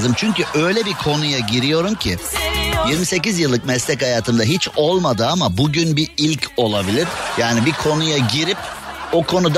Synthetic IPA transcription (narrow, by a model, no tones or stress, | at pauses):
zɯmt͡ʃʰyɲcyʔø̞jlʲɛbikʰo̞nujaɟiɾijo̞ɾumcʰɪjiɾmise̞cizjɯlˠːɯkmɛslʲɛchajaːt̪ʰɯmd̪aɦit͡ʃo̞lˠmad̪ɯamabuɟynbiilʲcʰo̞lˠabilʲiɾjaːnibikʰo̞nujaɟiɾip̚ | o̞kʰo̞nud̪